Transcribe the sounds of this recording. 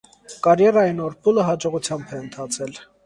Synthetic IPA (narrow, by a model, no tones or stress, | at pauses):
kɑɾjɛɾɑjinɔɾpʰuləɦɑd͡ʒɔʁut͡sʰjɑmbʰɛənt̪ʰɑt͡sʰɛl